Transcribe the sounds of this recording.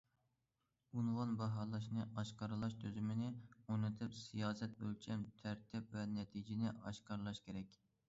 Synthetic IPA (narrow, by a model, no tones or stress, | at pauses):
unwɑnbɑɦɑːlˠɑʃ̬nɨʔɑʃqɑɾɨlˠɑʃt̪ʰøzymɪnɪonɨt̪ʰɨpsijɑːsɛt̪̚bølt͡ʃʰɛmt̪ʰæɾt̪ʰɪpvɛnɛt̪ʰid͡ʒɪnɪʔɑʃqɑɾlˠɑʃkʲʰeɾɛkʲ